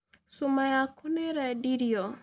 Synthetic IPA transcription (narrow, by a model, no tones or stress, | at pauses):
sumajakʰuneɾɛɖiɾijo